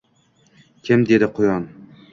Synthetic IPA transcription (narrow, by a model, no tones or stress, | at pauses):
kʲʰɪmd̪e̞d̪ɪqʰʊjɒn